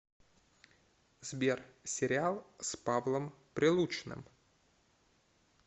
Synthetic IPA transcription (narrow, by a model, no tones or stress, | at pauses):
z̥bʲersʲɪɾʲɪalˠspavlˠəmpɾʲɪlˠut͡ɕnɨ̰m